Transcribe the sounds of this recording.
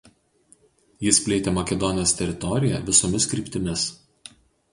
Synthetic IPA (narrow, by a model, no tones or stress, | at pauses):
jɪspʲlʲeːt̪ʲeːmɐkʲɛd̪ɔnʲoːst̪ʲɛɾʲɪt̪ɔɾʲɪjɛʋʲɪsɔmʲɪskɾʲiːˑpʲt̪ʲɪmʲɪs